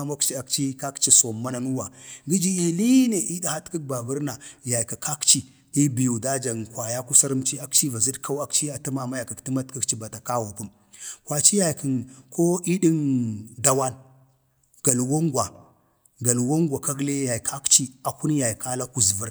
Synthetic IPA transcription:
a˦ma˦kt͡ʃi˦a˨kt͡ʃi˦ka˦kt͡ʃi˨so˨mːa˦na˨nu˦wa˨ɡi˦d͡ʒi˦i˨li˦ne˨ʔi˦da˦ha˦tki˦k̚ba˨və˦ɾna˨ja˨jka˨kʰa˦kt͡ʃi˨ | i˦bi˨ju˨da˦d͡ʒa˨nkʷwa˨ja˦ku˦sa˦ɾə˦mt͡ʃi˦a˦kt͡ʃi˦va˨zi˦dkʰa˦wa˦kt͡ʃi˦a˨ti˦ma˨ma˦ja˨kə˨kti˦ma˦tki˦kt͡ʃi˦ba˨ta˨ka˦wo˨ku˦m | kwa˨t͡ʃi˦ja˨jki˨nkʰo˦i˦ɗi˦nda˦wa˦n | ɡ̥a˨lwo˦ŋɡʷwa˨ | ɡa˨lwo˦ŋɡʷa˨ka˦ɡle˦ja˨kʰa˦kt͡ʃi˦a˨ku˦n˦ja˨jkʰa˦la˦ku˨zvə˦ɾ

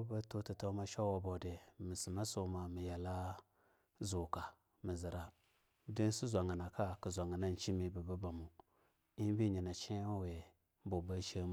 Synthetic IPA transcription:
ba˦to˦ti˨to˦ma˦ʃa˦wa˨bo˨de˨mi˨si˨ma˦so˦ma˨mi˨ja˨la˦ | zo˨ka˨ | mi˨zi˨ɾa˨ | di˦n˦si˦zʷa˨ŋa˨na˨ka˦kə˨zʷa˨ŋa˨na˦n˦t͡ʃi˦mi˨bə˨ba˦ba˨mu˨ | i˦n˦bi˦˨ɲi˨na˨t͡ʃi˦we˨ | bo˨ba˦ʃa˦m˨

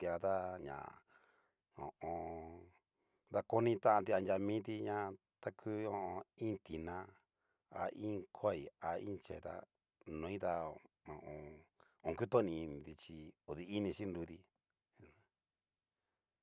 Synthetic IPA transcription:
ki˧a˧t̪a˦ɲã̰˨ | õ̰˨õ˧ | d̪a˧ko˦nĩ˧t̪ã˦ʔã˧t̪i˧a˧nd͡ʒʲa˧mĩː˦t̪̬i˧ɲã˦˧ | t̪a˦kʰu˦õ˧õ˧ĩ˦t̪i˨nã˧ | a̰˧ʔĩ˦kʰʷa˦˨i˨a˧ḭ̃˦t͡ʃḛ˨˧t̪a̰˦˧ | nõ˨ĩ˦t̪a˧ | õ˨˧ʔõ˧ | õ˧ku˦t̪õ˦nĩ˧ñ˧˨t̪i˧t͡ʃi˧o˨ði˧i˦nĩ˧ʃi˦nd̪u˧t̪i˧

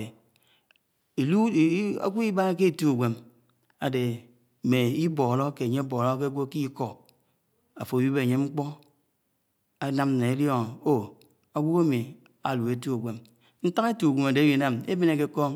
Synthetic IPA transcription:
e˨ | e˨lu˦˨˦a̰˦kʷu˦i˦ba˦ke˦e˨tu˦a˨ɡʷe˨m | a˨de˨ | me˨i˦bo˨lo˦ke˨ɲe˦bo˨lo˦ke˦ɡʷo˦ki˦ko˦˨ | a˨fo˨ji˦be˦a˨ɲe˦ŋ͡m̩˦k͡pɔ˦ | a˨˦na˦m˦ne˨e˦ljo˦ŋ˨o˦ | a˨ɡʷu˦ka˦mi˨ | a̰˨lu˨e˨tu˦a˨ɡʷe˨m | n̩˦ta˦ŋe˦tu˨ɡʷe˨ma˨de˨˦ji˨na˦me˦be˦ne˨ke˦kɔ˦

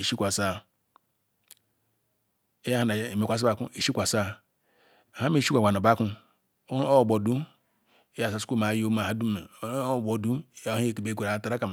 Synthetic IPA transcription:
i˨ʃi˦kʷa˨sa˦ | e˦ja˦ha˨na˨me˨kʷa˨s̬a˦ba˨kṵ˦i˨ʃi˦kʷa˨sa˦ | a˨ha˦me˦˨ʃi˦kʷa˨a˨n˨o˨ba˦ku˦ | o˦˨bo˨du˦ | e˦ja˨sa˨su̥˦u˦˨ma˨˦jo˦ma˨ha˦du˦e˨˦˨bo˨du˦˨˦i˦e˨ki˨be˦kʷu˨a˨˦ta˦ɾa˦ka˨m˨

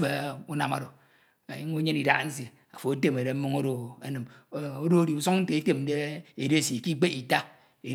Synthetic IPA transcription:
e˨u˦na̰˨ma̰˨do˨ | a̰˨i˦ŋo˦ɲe˦ni˨da̰˦kn̩˦s̬i˨ | a˨fo˨a˦te˦me˨ɾe˨m̩˦mo˦ŋo˦ɾo˨a˨nɨ˨m˨o˦do˦ɾi˨u˨so˦ŋn̩˦te˨e˦te˦m˦de˦e˨de˦si˨ki˦k͡pe˦i˨ta˦ | e˨

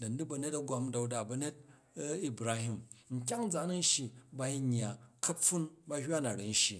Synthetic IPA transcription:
dɐ˨n˦du˦bɐ˧ne˦tɐ˦ɡʷa˦mda˨u˦da˨bɐ˨ne˦t̚ | i˦bɾa˦hi˦mŋ̩˨k̬ʲa˦ŋ̩˦d͡za˨˦nɐ˦n˦ʃi˨ba˨i˦ɲː˨a˨kʰɐ˦fu˦nba˧hʲa˦na˨ɾi˨n̩˦ʃi˨

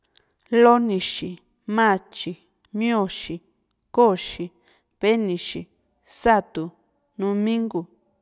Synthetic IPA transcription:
lo˦nĩ˧ʃi˨ | mã˦˨t͡ʃi˨ | mĩ˦õ˦˧ʃi˨ | ko˦˨ʃi˨ | βe˦nĩ˨ʃi˨ | sa˦˨t̪u˨ | nũ˧mĩ˦ŋɡu˨

